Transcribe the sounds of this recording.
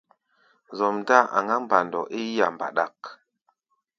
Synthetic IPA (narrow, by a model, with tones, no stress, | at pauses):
zɔ˨mda˦˨a̰˨ŋɡa˦m˦ba˨ndɔ̰˨ʔe˦ja˨m˨ba̰˨ɗa˦˨k